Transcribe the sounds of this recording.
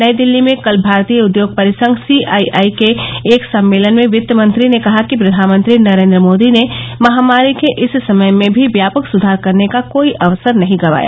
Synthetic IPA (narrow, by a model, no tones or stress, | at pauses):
nɐjd̪ɪlːimẽkɐlbʱaːɾt̪ijəʊd̪joːɡ̚pɐɾɪsə̃ŋɡʱsiaiaːikeːksɐ̃mːeːlənmẽʋɪt̪jəmə̃nt̪ɾinekɐɦakipɾɐd̪ʱaːnmə̃nt̪ɾinɐɾẽːnd̪ɾəmoːd̪inemɐɦamaːɾikeʔɪssɐməjmẽbʱiʋjaːpəksʊd̪ʱaːɾkɐɾnekakoːiʔɐʋsəɾnɐɦĩɡɐʋa̰ːja̰